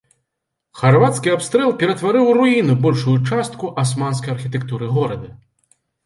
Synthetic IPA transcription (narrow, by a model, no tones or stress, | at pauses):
xarvat̪skʲiapst̪ɾɛlˠpʲɛɾɐt̪vaɾɨwruinubɔlʲʂujut͡ʂast̪̚kuʔasmans̬kɐjɐrxʲit̪ɛkt̪uɾɨɣɔɾɐd̪ɐ